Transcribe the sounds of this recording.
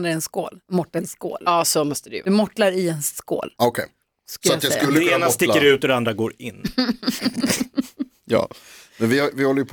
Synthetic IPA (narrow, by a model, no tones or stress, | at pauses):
nɾaɛnsko̰ːlmɔʈːənsko̰ːlɑːsomɔst̪əd̪ɛ̰mɔʈlaɾɪɛnsko̰ːlɔkʰɛj | sklatːajasɵlːəɛeːnast̪ɪːəɾʉ̟ːt̪ɔd̪ɛand̪ɾaɡoːɾɪnː | jɑ̰ːmɛnvɪhavɪhɔlːəjəpʰ